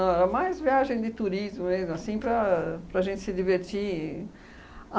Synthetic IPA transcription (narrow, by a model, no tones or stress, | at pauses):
ɐ̃ɛɾɐmajzviaʒẽj̃d̪ɪt̪uɾizmʊmezmʊasĩpɾɐpɾɐaʒẽnt̪ɪ̥sɪd̪iveɾt͡ʃ̪i